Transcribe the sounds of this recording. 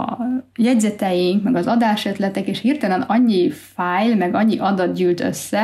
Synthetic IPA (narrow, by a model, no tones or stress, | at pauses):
jɛɟzɛt̪ɛjiŋkmɛɡɒzɒd̪aːʃøt̪lɛt̪ɛkeːʃhirt̪ɒlɛnɒɲːifaːjlmɛɡɒɲːiʔɒd̪ɒt̪̚ɟyːlt̪ø̞̰sːɛ